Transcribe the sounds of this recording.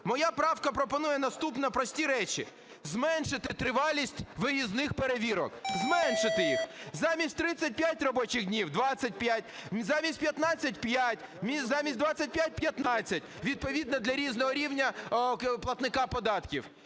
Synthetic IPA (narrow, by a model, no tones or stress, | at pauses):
mɔjapɾɑwkɐpɾɔpɔnujɛnɐst̪upnɛpɾɔsʲtʲiɾɛt͡ʃʲḭ | zmɛnʃɪt̪ɪt̪ɾɪʋɑlʲːisʲtʲʋɪjiznɪxpeɾeʋʲiɾɔ̰kzmɛnʃɪt̪ɪjixzɑmʲisʲtʲt̪ɾɪt͡sʲɐt̚ʲpʲjatʲrɔbɔt͡ʃɪɣdʲnʲiwd̪ʋɑt͡sʲsʲɐt̚ʲpjat̚ʲzɑmʲisʲt̚ʲpʲjɐt̪nɑt͡sʲːɐtʲpjatʲmʲizɑmʲisʲt̚ʲd̪ʋɑt͡sʲːɐt̚ʲpʲjat̚ʲpjɐt̪nɑt͡sʲːɐtʲʋʲid̪̚pɔʋʲid̪nɐd̪lʲɐɾʲiznɔɦɔɾʲiwnʲɐplˠɐt̪nɪkɑpɔd̪ɑt̪kʲiw